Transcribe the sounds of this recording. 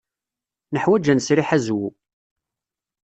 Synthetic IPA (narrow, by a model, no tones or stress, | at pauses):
nəħwæd͡ʒænsɾiħæzwu